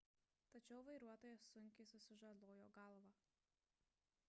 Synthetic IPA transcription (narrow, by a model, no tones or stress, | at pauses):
t̪ɐt͡ʃʲɛʊʋɐɪɾuɔt̪oːjɛsːʊŋʲkʲɪsʊsʊʒɐd̪ˠoːjo̰ːɡɐlˠʋɐ